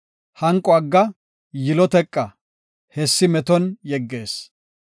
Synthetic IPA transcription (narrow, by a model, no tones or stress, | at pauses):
hɐŋkʼːɔɐɡːɐ | jɪlɔt̪ɛkʼːɐ | hɛsːɪmɛt̪ɔnjɛɡːe̞ːs